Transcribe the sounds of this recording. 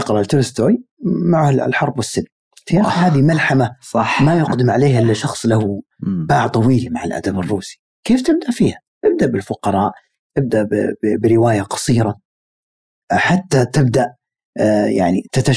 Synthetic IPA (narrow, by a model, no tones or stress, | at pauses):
ɑqɾˤɑʔlt̪ɪlɪst̪oːj | maʕhlħɑɾˤbwɪsːɪlm | ahaːðimalħamasˤɑmajʊqd̪ɪmʕaleːhʔɪlːaʃɑxsˤlahʊ | baːʕt̪ˤɑwiːlmaʕa̰lʔa̰d̪abɨrˤːuːsi̥ | keːft̪ɪb̚d̪aʔfiːha | t̪ɪb̚d̪aʔbɪlfʊqɑɾˤɑːʔ | t̪ɪb̚d̪aʔbbbɪɾɪwaːjaqɑ̥sˤiːɾˤa | ħat̪ːat̪ɪb̚d̪aʔ | ja̰ʕnit̪at̪a